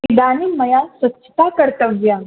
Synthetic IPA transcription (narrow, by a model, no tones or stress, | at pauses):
id̪aːnimɐjasʋətːt͡ʃʰə̥t̪akəɾt̪əʋja